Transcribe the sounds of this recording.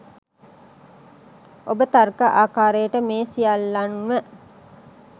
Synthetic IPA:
obət̪arkəʔaːkaːɾəjəʈəmeːsijalːanʋə

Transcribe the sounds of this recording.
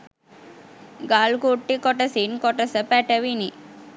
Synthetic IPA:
ɡaːlkuʈːikɔʈɐsinkɔʈɐsəpɛʈəʋini

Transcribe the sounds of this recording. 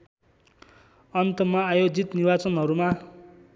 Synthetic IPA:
ʌnt̪imːʌːjod͡zit̪nibat͡sʌnɦʌɾuma

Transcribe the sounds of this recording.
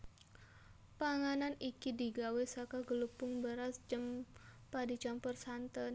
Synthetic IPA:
paŋananikidiɡawesakaɡəlupʊŋbəɾasd͡ʒəmpadit͡ʃampərsant̪ən

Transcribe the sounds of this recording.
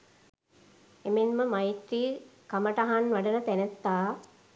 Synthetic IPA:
emenməmajit̪ɾiːkaməʈɐɦanʋɐɖənət̪ænet̪ːaː

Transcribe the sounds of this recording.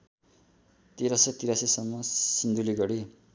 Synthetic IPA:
t̪eɾʌset̪iɾasesʌmːʌsind̪uliɡʌɽi

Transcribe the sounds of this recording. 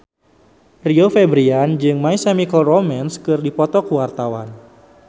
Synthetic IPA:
riofɛbɾiand͡ʒɨŋmaisamikɔlromanskɨrdipɔt̪ɔkuwart̪awan

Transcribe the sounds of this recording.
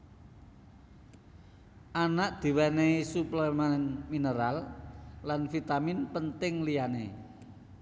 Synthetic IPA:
ʔanaʔd̪̥i̤wɛnesuplɛmanminəɾalː | anfit̪aminpənt̪ɪŋlijane

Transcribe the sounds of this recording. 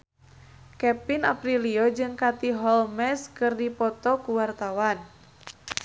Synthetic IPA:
kɛpina̰pɾiliɔd͡ʒɨŋkat̪iɦɔlmɛskɨrdipɔt̪ɔkuwart̪awan

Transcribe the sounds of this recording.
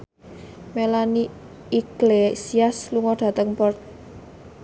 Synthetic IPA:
melaniː | klesiasluŋɔɖ̥ä̤t̪əŋpɔrt̪̚

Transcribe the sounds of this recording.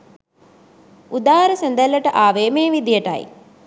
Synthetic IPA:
ud̪aːɦəɾəsend̪ælːəʈəʔaːʋeːmeːʋid̪ijəʈa̰j

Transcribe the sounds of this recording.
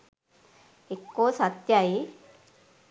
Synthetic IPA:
ikːosat̪jai

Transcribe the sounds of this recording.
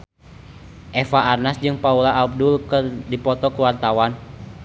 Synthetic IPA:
ʔɛfaarnasd͡ʒɨŋpaulaʔːb̚dulkərdipɔt̪ɔkuwart̪awan

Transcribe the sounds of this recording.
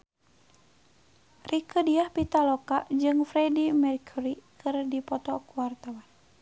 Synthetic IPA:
rʔikədiahpit̪alɔkaʔd͡ʒɨŋfɾɛdimɛrkʰuɾikɨrdipɔt̪ɔkuwart̪awan

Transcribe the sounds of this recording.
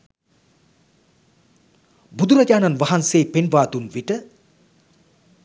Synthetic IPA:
bud̪uɾɐd͡ʑaːnanʋaɦanseːpenʋaːt̪unʋiʈə

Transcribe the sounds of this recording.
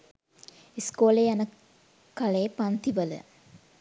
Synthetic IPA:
iskoːlejanə | kaleːpant̪iʋələ̰

